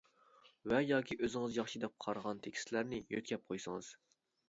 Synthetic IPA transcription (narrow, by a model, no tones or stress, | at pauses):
vɛjɑːkʲʰiʔøzɪŋɨzjɑχʃid̪ɛp̚qʰɑɾʁɑnt̪ʰekʲi̥slæɾnɪjøt̪̚ʲkʲɛp̚qʰojsɨŋɨz̥